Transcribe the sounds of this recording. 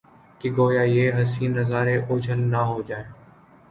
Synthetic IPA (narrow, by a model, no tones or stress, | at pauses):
kiɡoːjaːjeːɦəsiːnːəzaːɾeːʔʊːd͡ʒʱəlnaːɦoːd͡ʒaːeː